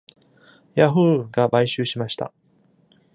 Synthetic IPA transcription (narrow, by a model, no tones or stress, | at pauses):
jaɸɯ̟ːɡabaiɕɨːɕimaɕi̥t̪a̰